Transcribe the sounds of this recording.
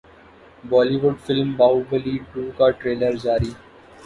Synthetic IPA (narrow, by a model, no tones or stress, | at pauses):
bɔːliʋʊɖfɪlmbaːubəliɖuːkaʈɾeːləɾd͡ʒaːɾiː